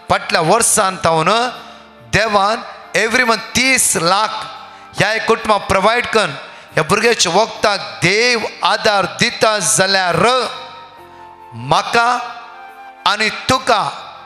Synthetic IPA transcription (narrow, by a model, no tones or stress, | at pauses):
pəʈljaʋəɾsãnt̪ʰawnə | d̪eʋan | eʋɾimət̪iːslakʰ | jaekːuʈmãpɾəʋajɖkən | jabuɾɡat͡ɕaʋək̚t̪ak̚d̪eʋad̪aɾd̪it̪ad͡zaljaɾə | m̤əka | nit̪uka